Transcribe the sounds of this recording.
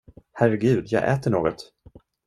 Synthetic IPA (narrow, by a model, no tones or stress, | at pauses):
hæɾɛɡʉ̟ːd̪jɑ̰ːɡʔɛ̰ːt̪əɳoːɡɔt̪